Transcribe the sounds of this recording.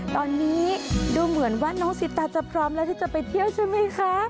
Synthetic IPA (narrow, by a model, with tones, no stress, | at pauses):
t̪ɔː˧nːiː˦˥duː˧mɯ˨˩˦ənwaː˥˩nɔː˦˥ŋsi˨˥t̪ːaː˧˩t͡ɕa˨˩pʰɾɔː˦˥mlɛː˦˥t̪ʰiː˥˩t͡ɕa˨˩pa˧jt̪ʰi˥˩əwt͡ɕʰa˥˩jma˦˥jkʰa˦˥